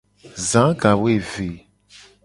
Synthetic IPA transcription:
zã˨˦ka˨we˦˨ve˨

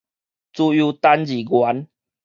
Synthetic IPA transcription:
t͡su˦ju˧t̪a˦nd͡ʑi˨˩ɡwa˨˦n

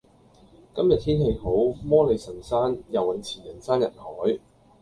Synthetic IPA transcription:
kɐ˥mjɐ˨t̪̚ʰiː˥nɦe˨˧jɦo˨˥wmɔː˥le˨˧jsɐ˨˩nsaː˥njɐ˨wɐ˨˩nt͡sʰiː˨˩njɐ˨˩nsaː˥njɐ˨˩t̚hɔː˨˥j

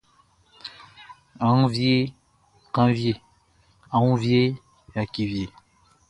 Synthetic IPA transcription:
a˨ŋũ˦vje˦ | kã˦vje˦˨ | ã˨ŋũ˦vje˦ | ja˨ki˨vje˨

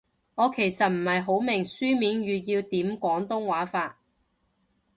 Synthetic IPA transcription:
ŋɔː˨˧kʰe˨˩jsɐ˨t̚m̩˨˩hɐ˨jɦo˨˥wmɪ˨˩ŋsyː˥miː˨˥nɥyː˨˧jiː˧wt̪iː˨˥mkʷɔː˨˥ŋt̪ʊ˥ŋwaː˨˥faː˧t̚

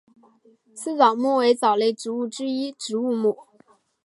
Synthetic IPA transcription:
sʰɹ̩˥˩t͡sɑ˨˩ʊmwu˥˩we˧˥ɪt͡sɑ˨˩ʊle˥˩ɪʈ͡ʂɻu˧˥u˥˩ʈ͡ʂɻ̩˥i˥ʈ͡ʂɻ̩˧˥u˥˧mu˥˩

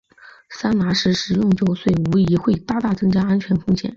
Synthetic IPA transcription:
sa˥nna˧˥ʂɻ̩˧˥ʂɻ̩˧˥jʊ˥˩ŋt͡ɕjo˧˥ʊswe˥˩ɪu˧˥i˧˥xwe˥˩ɪt̪a˥˧t̪a˥˩ʈ͡ʂɤ˥˧ŋt͡ɕja˥a˥nt͡ɕʰɥɛ˧˥nfʊ˥˧ŋɕjɛ̰˨˩˦n

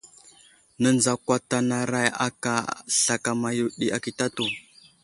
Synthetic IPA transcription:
nə˦nza˨kʷa˦ta˨na˨ɾa˦ja̰˦ka˨ɬa˨ka˨ma˨ju˨ɗi˨ʔa˨ki˨ta˦to˨

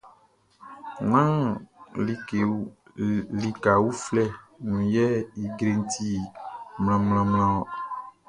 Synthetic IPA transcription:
nã˦li˨ke˨˦ | li˨ka˨wu˦flɛ˦˨nũ˨jɛ˦i˨ɡɾe˦˨n˦t̪i˦˨mlã˨mlã˨ml̃ã˦ɔ˨

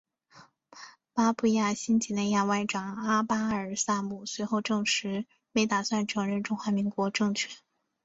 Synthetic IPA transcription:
pa˥pʰu˥˩ja˥˩ɕi˥nt͡ɕʰi˧˥˩ne˥˧ja˥˧wa˥˩ɪʈ͡ʂɑ˨˩ŋa˥pa˥ə˞˨˩sa˥˧mu˨˩swe˧˥ɪxo˥˧ʊʈ͡ʂɤ˥˧˩ŋʂɻ̩˧˥ | me˧˥ɪt̪a˨˩swa˥˩nʈ͡ʂʰɤ˧˥ŋɻə˥˩nʈ͡ʂʊ˥ŋxwa˧˥mi˧˥ŋkwɔ˧˥ʈ͡ʂɤ˥˧ŋt͡ɕʰɥɛ˥˩n

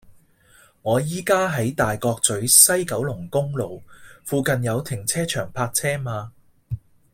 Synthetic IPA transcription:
ŋɔː˨˧jiː˥kaː˥ɦɐ˨˥jt̪aː˨jkɔː˧k̚t͡sɵ˨˥ɥsɐ˥jkɐ˨˥wlʊ˨˩ŋkʊ˥ŋlo˨wfuː˧kɐ˨njɐ˨˧wt̪ʰɪ˨˩ŋt͡sʰɛː˥t͡ʃʰœː˨˩ŋpʰaː˧k̚t͡sʰɛː˥maː˧

